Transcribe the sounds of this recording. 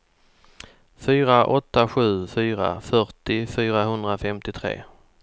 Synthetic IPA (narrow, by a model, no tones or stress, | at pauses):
fyːɾaʔɔt̪ːaɧʉ̟ːfyːɾa̰fœʈɪfyːɾaɦɵnd̪ɾafɛmt̪ɪt̪ʰɾḛː